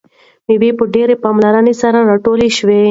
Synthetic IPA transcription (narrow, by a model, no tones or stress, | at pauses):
miwepəɖeɾepamlaɾanesaɾaɾaʈoliʃwe